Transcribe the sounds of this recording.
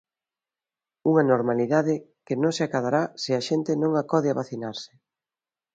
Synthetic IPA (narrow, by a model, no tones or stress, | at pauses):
uŋɐnoɾmaliðaðɪ | kɪnõŋsɪakaðaɾasɪɐʃent̪ɪnõŋakɔð̞ɪaβaθinaɾsɪ̥